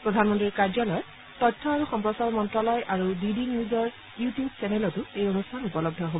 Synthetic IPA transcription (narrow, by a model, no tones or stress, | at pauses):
pɹɔdʱanmɔntɹiɹkaɹzɔlɔjɔ | tɔtʰːɔaɹuxɔmpɹɔsaɹmɔntɹɔlɔjʔaɹudidiniuzɔɹ | jutijubsɛnɛlɔtuejonustʰanupɔlɔb̚dʱɔɦobɔɔ